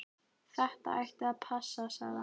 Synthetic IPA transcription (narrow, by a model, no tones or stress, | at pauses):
θɛht̪a̰a̰jht̪ɪaðpʰasːasaɣða